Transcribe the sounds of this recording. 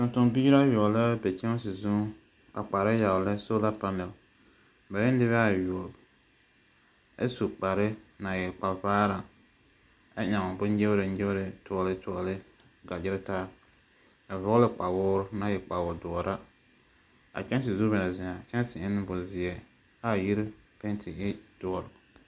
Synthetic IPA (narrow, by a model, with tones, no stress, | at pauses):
tʊ˨ntʊ˨ŋbiː˦ɾa˦jʊ˨ɔ˨lɪ˦bɛ˨t͡ʃɛ˦ŋ˦sɪ˨zʊ˦ | a˨k͡pa˨ɾa˦ja˨ʊ˨lɨ˦so˦la˦pa˦mɛ˨l | ba˨jɛ˦n˦dɪ˦βa˦˨jɔ˨b | ḛ˦su˨k͡pa˨ɾɪ˦na˨jɛ˨k͡pa˨vaː˦ɾa˨ | a˦ɲa˨ŋʊ˨bʊ˦nd͡ʒɪ˦bɾɪ˨n˦d͡ʒɪ˦bɾɪ˨tʊ˦ɔ˦lɨ˦tʊ˦ɔ˦lɪ˦ | ɡa˨d͡ʒɪ˦ɾɪ˦taː˦ | a˨vʊ˦lɪ˦k͡pa˨wʊː˦ɾna˨jɛ˨k͡pa˨wɔ˨dɔ˨ɔ˨ɾʔa˦ | a̰˨t͡ʃɛ˦ns̬ɪ˨zu˦bɛ˨na˨zɪ˨ɲa˨t͡ʃɛ˦n˦sɪ˨ɪ˦n˦bʊ˨zɪ˨ɛ˨ | a˦˨ji˦ɾ | pɛ˦n˦tʰɪ˨ɪ˦d̥ʊ˨˦ɔ˨ɾ